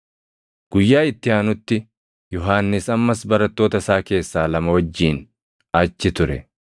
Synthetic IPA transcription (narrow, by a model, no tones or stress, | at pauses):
ɡ̥ʊjːaːɪt̪ːɪaːnʊt̪ːɪ | jɔɦaːnːɪsɐmːɐsbɐɾɐt̪ːo̞ːt̪ɐsaːke̞ːsːaːlɐmɐwɐd͡ʒːiːn | ɐt͡ʃːɪt̪ʊɾɛ